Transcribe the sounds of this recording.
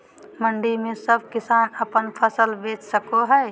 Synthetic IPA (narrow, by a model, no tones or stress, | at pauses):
məɳɖimẽsəb̚kɪsaːnəpənpʰəsəlbeːt͡ʃsəkoɦɛː